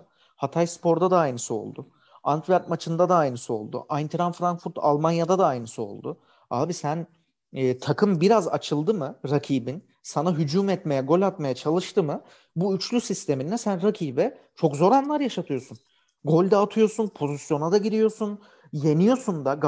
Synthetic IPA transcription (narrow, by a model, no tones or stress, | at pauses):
hat̪ʰajspo̞ɾd̪ad̪aajnɯsɯo̞̰lˠd̪ʊ | ant̪ʰvaɾt̪mat͡ʃʰɯnd̪ad̪aːjnɯsɯo̞̰lˠd̪ʊ̰ʔajnt̪ʰɾanfɾaŋkfuɾt̪ʰa̰lˠmanjad̪ad̪aːjnɯsɯo̞̰lˠd̪ʊ | aːbisæn | ɛːt̪ʰakʰɯmbiɾaza̰t͡ʃʰɯlˠd̪ɯmɯɾacʰiːbin | sanaɦyd͡ʒuːmɛt̪me̞jɛɡo̞lʲat̪majat͡ʃʰalˠɯʃt̪ʰɯmɯ | buyt͡ʃlʲysist̪ʰe̞minːɛsænɾacʰiːbɛ | t͡ʃʰo̞kzo̞ɾanlˠaɾjaʃat̪ʰɯjo̞sun | ɡo̞lʲd̪ɛːt̪ʰɯjo̞sunpʰo̞zisjo̞nad̪aɟiɾijo̞sun | je̞nijo̞sund̪aɡ